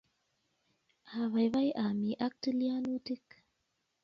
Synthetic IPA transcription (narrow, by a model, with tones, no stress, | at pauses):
a˨βa˨jba˦jʔa˨mi˨ʔa˦k̚ti˦li˦a˦nu˦ti˦k̚